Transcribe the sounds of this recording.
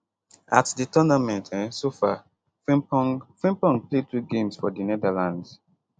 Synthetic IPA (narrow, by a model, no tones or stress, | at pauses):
atditɔnamɛ̃ntʰɛ̃nsofa | fĩmpɔ̃ŋɡpletɹuɡẽmsfɔdinɛdalãnds